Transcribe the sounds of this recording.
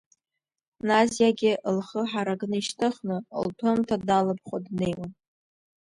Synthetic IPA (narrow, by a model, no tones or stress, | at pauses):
nazjaɡʲɪʔlχəħaɾaɡnɨiʃtʰɨχnɨ̰ltʰɨmtʰadalɨb̚χʷadne̞jwan